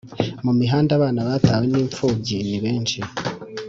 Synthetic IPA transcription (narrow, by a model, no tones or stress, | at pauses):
mumiɦaːndaβaːnaβaːtaːweniːɱfuːbɟiniβe̞ːnʃi